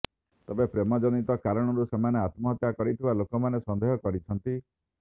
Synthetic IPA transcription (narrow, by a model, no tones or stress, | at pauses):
t̪ebepɾemɔd͡ʒɔnit̪ɔkaɾɔɽ̃ɔɾusemaneat̪mɔɦɔt̪jakɔɾit̪ʰibalokɔmanesɔnd̪eɦjɔkɔɾit͡ʃʰɔnt̪i